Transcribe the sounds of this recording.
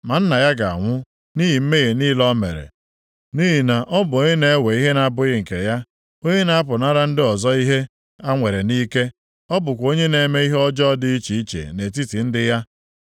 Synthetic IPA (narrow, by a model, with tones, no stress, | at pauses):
ma˨n̩˦na˨ja˦ɡa˨a̰˨ŋʷʊ˦ | ni˦ɦi˨m̩˦me˦ɣe˨niː˦lɔ˦mḛ˨ɾḛ˨ | niː˦ɦi˨na˨ʔɔ˦bʊ˨o˦ɲe˦ne˦e˦we˨i˦ɦe˦na˨a˦˨bʊ˦ɣɪ˦ŋ̩˨kḛ˨ja˦ | o˦ɲe˦na˨˦a˦pʊ˨na˦ɾa˦n̩˦dɪ˦ɔ˨zɔ˦i˦ɦe˦ | a˦ŋʷe˨ɾe˨niː˦ke˦ | ɔ˦bʊ˨kʷo˦ɲe˦ne˨me˦i˦ɦe˦ɔ˦d͡ʒɔ˦dɪ˦i˦t͡ʃi˨i˦t͡ʃḛ˨ne˨t̬i˦ti˨n̩˦dɪ˦ja˦